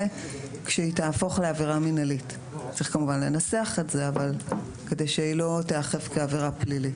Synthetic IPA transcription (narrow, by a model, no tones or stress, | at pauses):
kʃeitaːfo̞χleaviʁaminalit | t͡sʁiχkamuvanlenaseaχetze̞aval | ke̞dejʃeilo̞teaχe̞vkeaviʁaplilit